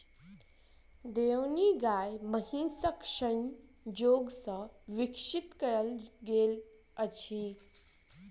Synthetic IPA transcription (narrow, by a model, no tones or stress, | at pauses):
d̪ewniɡaːjməɦisəkʂən | d͡ʒoːɡsəʋikʂit̪kəɾəlɡeːl | ət͡ɕʰi